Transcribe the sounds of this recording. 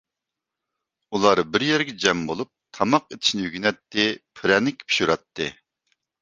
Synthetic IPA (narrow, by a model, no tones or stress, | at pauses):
ulˠɑɾbɪɾjɛɾɡʲɛd͡ʒɛmbolˠup̚t̪ʰɑmɑqet̪ʰɪ̥ʃinɪjyɡʲynɛt̪ːɪpʰɪɾɛnɪkʲpʰi̥ʃuɾɑt̪ːɨ